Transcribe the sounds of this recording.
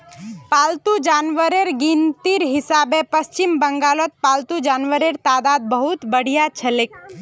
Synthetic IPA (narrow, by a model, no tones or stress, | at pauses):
palt̪ud͡ʒanʋəɾeɾɡint̪iɾɦisabepəst͡ʃimbəŋɡalɔt̪̚palt̪ud͡ʒanʋəɾeɾt̪ad̪ad̪̚bəɦut̪bəɽ̤ijat͡ʃʰəlek